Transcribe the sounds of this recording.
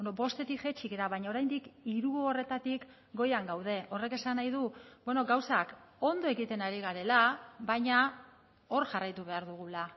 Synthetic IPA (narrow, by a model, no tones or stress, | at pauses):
enobo̞st̪e̞t̪ikxe̞t͡ʃiɣeɾaβajɲao̞ɾajnd̪ikiɾuoore̞t̪at̪ik | ɡo̞jaŋɡawð̞e̞ʔo̞re̞ke̞sanajðubeno̞ɡawsako̞nd̪o̞e̞ɣit̪e̞naɾiɣaɾe̞laβajɲa | o̞ɾʝarajt̪uβ̞e̞aɾðuɣ̞ula